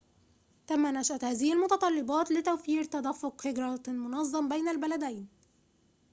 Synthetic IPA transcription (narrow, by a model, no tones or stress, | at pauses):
t̪æmːænæʃʔæt̪hæːðɪhɪlmʊt̪ɑt̪ˤɑlːɪbɑːt̪lɪt̪æwfiːɾt̪ɑd̪æfːʊqhɪɡɾˤɑmʊnɑzˤːɑmbæjnalbælæd̪æjn